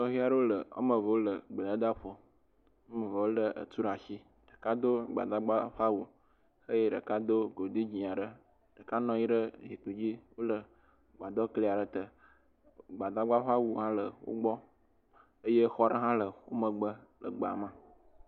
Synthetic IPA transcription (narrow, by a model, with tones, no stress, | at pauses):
t̪ɔ˦ɦi˦a˨ɖə˦wo˦lə˨o̰˦mə̃˨və˨wo˦lə˨ɡ͡bə˨la˦d̪a˦ɸo˨ | o˦mə˨və˨wo˦lə˨ʔə̰˨t̪u˦ɾa˨ʃi˦ | ɖ̥ə˨ka˦d̪o˦ɡ͡ba̰˨d̪a˦ɡ͡ba˦ɸa˦wu˨ | ə˦je˦ɖə̰˨ka˦d̪o˦ɡo˨d̪i˦d͡ʑĩ˨a˨ɖə˦ | ɖ̥ə˨ka˦nɔ̃˦ji˦ɖə˦zi˨k͡pu˨d͡ʑi˦wo˦lə˨ | ɡ͡ba˨d̪ɔ˦kli˦a˨ɖə˨t̪ə˨ | ɡ͡ba˨d̪a˦ɡ͡ba˦ɸa˦wu˨ɦã˦lə˨wo̰˦ɡ͡bɔ˦ | ə˦je˦xɔ˦ɖə˦ɦã˦lə˨wo˦mə˨ɡ͡bə˦lə̰˨ɡ͡ba̰˨mã˦